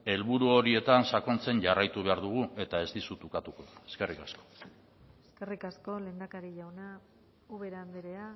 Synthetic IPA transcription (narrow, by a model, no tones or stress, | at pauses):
e̞lβuɾuo̞ɾie̞t̪ansako̞nt͡se̞nʝarajt̪uβ̞e̞aɾðuɣ̞ue̞t̪ae̞zd̪isut̪ukat̪uko̞ðue̞̥ske̞rikasko̞ | eske̞rikasko̞le̞ːnd̪akaɾiʎawna | uβe̞ɾaand̪eɾea